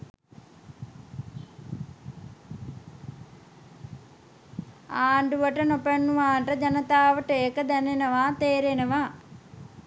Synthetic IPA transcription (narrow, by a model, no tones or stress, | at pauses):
aːɳɖuʋɐʈɐnopɐnːuʋaːɳʈɐd͡ʒɐnɐt̪aːʋɐʈeːkɐd̪ɐnenɐʋaːt̪eːɾenɐʋaː